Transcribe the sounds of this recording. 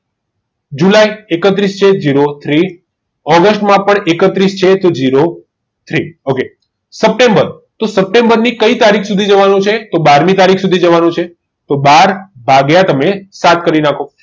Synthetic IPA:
d͡ʒulaiekət̪ɾist͡ʃʰed͡ʒiɾot̪ʰɾi | ɔɡəsʈmãpəɳekət̪ɾist͡ʃʰet̪od͡ʒiɾo | t̪ʰɾioke | səp̚ʈembəɾ | t̪osəp̚ʈẽmbəɾnikəit̪aɾikʰsud̪ʱid͡ʒəʋanũt͡ʃʰet̪obaɾmit̪aɾikʰsud̪ʱid͡ʒəʋanũt͡ʃʰe | t̪obaɾbʱaɡjãt̪əmesat̪̚ʰkəɾinakʰo

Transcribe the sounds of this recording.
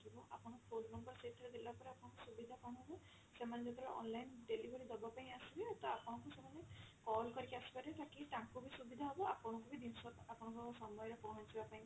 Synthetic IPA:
kibɔa̰pɔnɔkpodmɔmkɔɾɔseit̪ʰːɔɾed̪elbapɔɾeapɔnɔkusubid̪ʱakaɽ̃ɔ̃ɦɔbɔ | semaned͡ʒet̪ʰɾɾɔ̰nlajnɖelibʱɔɾid̪ɔbapaĩasibet̪ɔapɔɽ̃ɔkusemanekɔlkɔɾikʰasi̥paɾet̪akitãkubisubid̪ʱaɦɔbɔapɔñɔkubid̪insɔt̪apɔñɔkusɔmɔjɔɾepɔɦɔt͡ʃʰibapaĩ

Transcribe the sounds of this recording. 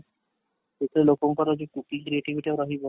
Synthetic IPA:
t̪et̪ʰelokoŋkɔɾod͡ʑekukiŋkɾieʈiʋiʈiaɾaɦibɔ

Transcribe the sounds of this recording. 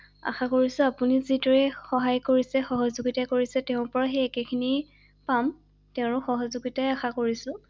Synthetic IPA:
a̰xakoɹisʊ̃apunizidɔɹɛxɔɦajkoɹisɛxɔɦɔzuɡitakoɹisɛtɛʊ̃ɹpɔɹaxeɛkekʰini | pam | tɛʊ̃ɹʊxɔɦɔzuɡitajaxakoɹisʊ̃

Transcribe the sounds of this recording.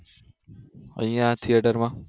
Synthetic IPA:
ə̰̃ijãt̪ʰieʈəɾmã

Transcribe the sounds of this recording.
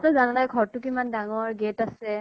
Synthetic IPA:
tɔzananajɡʱɔɹtʊkimandaŋɔɹɡetasɛ

